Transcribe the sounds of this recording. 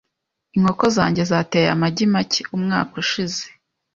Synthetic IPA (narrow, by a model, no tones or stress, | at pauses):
iŋ̥ho̞ko̞zaːɲɟe̞zateja̰maɟimaceumŋa̰ːkuʃize̥